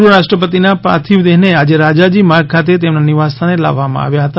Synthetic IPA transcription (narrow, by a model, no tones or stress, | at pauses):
ɾəɾaʃʈɾəpət̪inapɾa̰t̪ʰiʋd̪eɦnead͡ʒeɾad͡ʒad͡ʒimaɾɡ̚kʰat̪̬et̪emnaniʋast̪ʰanela̰ʋːamã̰a̰ʋjaɦət̪a